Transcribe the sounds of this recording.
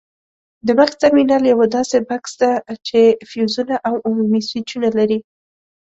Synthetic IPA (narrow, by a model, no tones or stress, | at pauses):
d̪əbaxzaminaljawad̪ɑsebaksd̪at͡ʃefijozunaʔawʊmumiswit͡ʃunalaɾi